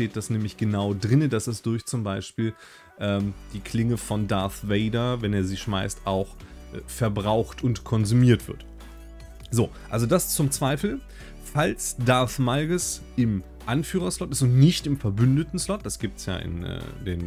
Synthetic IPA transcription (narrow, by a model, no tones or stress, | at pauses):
teːt̚d̥asnɛːmlɪçɡ̥ənaʊdʁɪnədasɛsd̥ʊɐçt͡sʊmbaɪʃpiːl | ʔɛːmd̥iːkʰl̥ɪŋəfɔndaɐθveɪdɐvɛneːɐziːʃmaɪstʔaʊxfɛɐbʁaʊxtʰʊntkʰɔnzumiːɐtv̥ɪ̰ɐt | zoːʔalzodast͡sʊmt͡sv̥aɪfl̩ | falsd̥aɐθmaɪɡəs | ʔɪm | ʔanfyːʁ̞ɐslɔtɪstʊntnɪçtɪmfɛɐbʏndətn̩slɔt̚d̥asɡ̥iːp̚tsja̰ːʔɪ̰nʔɛ̰ːdeːn